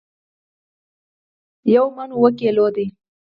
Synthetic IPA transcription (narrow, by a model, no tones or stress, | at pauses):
jawmanowək̬elod̪e